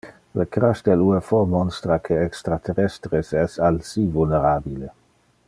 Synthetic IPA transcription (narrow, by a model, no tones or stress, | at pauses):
ləkɾaʃd̪eluefɔmɔnst̪ɾakʰeɛkst̪ɾat̪ʰeɾɛst̪ɾesɛsalsivulneɾabile